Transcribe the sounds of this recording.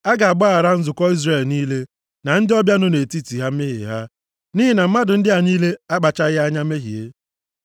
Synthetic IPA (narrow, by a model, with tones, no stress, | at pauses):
a˦ɡa˨a˨ɡ͡bɔ˦a˨ɾa˦n̩˦zʊ˨kɔ˦i˦zre˨lniː˦le˦ | na˨n̩˦dɪ˦ɔ˦bja˦no˦ne˨ti˦ti˨ɦa˦m̩˦me˦ɦḛ˨ɦa˦ | niː˦ɦɪ˨na˨m̩˦ma˦dʊ˨n̩˦dɪ˦a˨ɲiː˦le˦a˦k͡pa˨t͡ʃa˦ɣɪ˦a˦ɲa˦m˦e˦ɦḭ˨ḛ˦